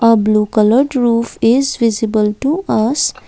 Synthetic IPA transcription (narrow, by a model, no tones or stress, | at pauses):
əbluːkʌləɾɖɾuːfɪzʋɪzɪbəlʈuʔʌs